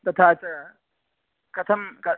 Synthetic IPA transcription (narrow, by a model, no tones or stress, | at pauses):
t̪ɐt̪ʰat͡ʃa | kɐt̪ʰɐmkɐ